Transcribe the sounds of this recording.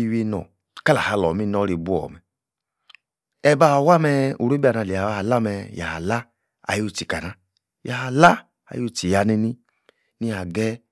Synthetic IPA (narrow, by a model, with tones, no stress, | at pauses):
i˧wi˦˧nɔ̰˨ | ka˦la˨ha˨˧˨lɔ˨mi˦nɔ˦ɾi˨bu˦ɔ̰˨mɛ˨ | ɛ˧ba˦˨wa˦mɛ˧u˨ɾu˦bi˦a˨na˧˨li˨a˨a˦ha˨la˦mɛ˧ja̰˨ha˨la˦ | a̰˨jo˦˨ti˨ka˨na˨˦ | ja˨ha˨la˦ | a̰˨jo˦˨ti˨ja˨ni˧ni˦ | nĩ˦a˨ɡɛ˦